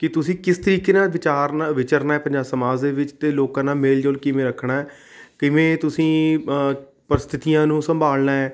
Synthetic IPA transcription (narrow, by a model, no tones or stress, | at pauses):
kɪt̪ʊsĩːkɪst̪əɾiːkeːnaːʋɪt͡ʃaːɾnaːʋɪt͡ʃəɾnaːɛːpə̃ɲd͡ʒaːsəmaːd͡ʒd̪eːʋɪt͡ʃt̪eːloːkãːnaːmeːld͡ʒoːlkɪʋẽːɾəkʰɳaːɛː | kɪʋẽːt̪ʊsĩː | pəɾɪst̪ʰɪt̪ijãːnũːsəmbʱaːlnaːɛː